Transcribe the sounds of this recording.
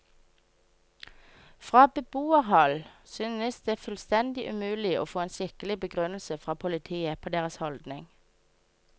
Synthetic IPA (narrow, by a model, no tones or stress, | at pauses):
fʁɑːbəbuːəʁhɑlsyːnəsd̪eːfʉlst̪ɛnd̪ɪʔʉmʉːlɪo̰ːfoːeːnʃɪkəlɪbəɡʁʉnl̩səfʁɑːpʰʊlɪt̪ʰiːəpʰoːd̪eːʁəshɔld̪nɪŋ